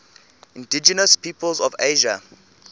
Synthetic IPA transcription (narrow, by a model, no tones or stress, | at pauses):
ĩndid͡ʒɛnəspʰipəlzɔveʒa